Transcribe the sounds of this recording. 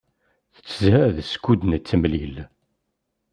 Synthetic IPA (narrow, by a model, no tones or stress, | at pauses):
θə̥t͡sːzæðskːud̪nət͡sːəmlil